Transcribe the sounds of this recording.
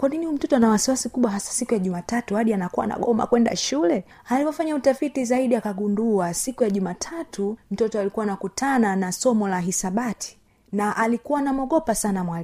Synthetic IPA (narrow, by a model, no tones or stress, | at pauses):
kwaninihum̩tɔtɔnawasiwasikuɓwaɦasḁsikujaʄumatatuhaɗianakuwa̰na̰ɠɔma̰kwɛnda̰ʃulɛ | halipɔfaɲautafitizaiɗiakaɡunduasikujaʄumatʰatʰum̩tɔtɔalikuwaːnakutʰananasɔmɔlaɦisaɓatʰi̥ | naʔalikuwanamɔɠɔpasanamwali